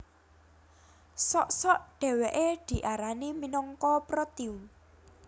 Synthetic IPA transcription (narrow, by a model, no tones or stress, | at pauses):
sɔʔsɔʔɖ̥ɛ̤weʔed̪̥i̤ʔaɾaniminɔŋkɔpɾɔt̪iun